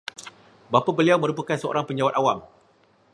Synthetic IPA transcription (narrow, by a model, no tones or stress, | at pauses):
bapabəliawmə̃ɾupukansəo̰ɾaŋpəɲd͡ʒawat̪̚awam